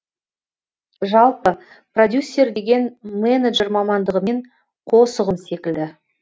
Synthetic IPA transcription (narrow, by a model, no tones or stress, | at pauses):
ʒɑlˠpə | prod̪ʲjusʲːe̞rd̪e̞ɡʲe̞nmeneʒe̞ɾmɑmɑnd̪əʁəme̞ɴ | qʰo̞səʁəmse̞kʲɪld̪ɪ